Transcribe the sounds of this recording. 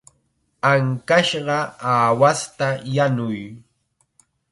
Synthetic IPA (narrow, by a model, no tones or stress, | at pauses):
aŋkaʃɢɑaːwast̪ajanʊj